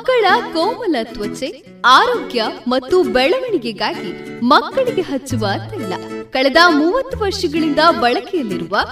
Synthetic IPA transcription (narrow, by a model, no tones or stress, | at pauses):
mkːɐɭɐkɐwmɐlɐt̪ʋɐt͡ʃe | aːɾoːɡjɐmɐt̪ːubɛɭɐʋɐɳiɡeɡaːɡimɐkːɐɭiɡe̞ɦɐt͡ʃːuʋɐːt̪ɐilːɐ̰kɐɭɛd̪ɐmuːʋɐt̪ːuʋɐɾʂɐɡɐɭind̪ɐʋɐɭɐkɛjɐlːiɾuʋɐ